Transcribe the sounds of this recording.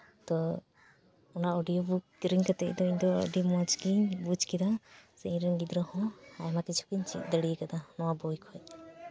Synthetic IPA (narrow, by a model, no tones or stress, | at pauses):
t̪ɔ | ɔnaɔɖijɔbukɾiŋkat̪ɛ̰ʔd̪ɔiɲd̪ɔ̰ɖimɔd͡ʒɡiɲbud͡ʒkid̪asɛĩɾɛnɡid̪ɾɔhɔ̃ajmakit͡ʃʰu̥kiɲt͡ʃʰḭʔ̚d̪əɽijkad̪anɔwabɔjkʰɔɛt̪̚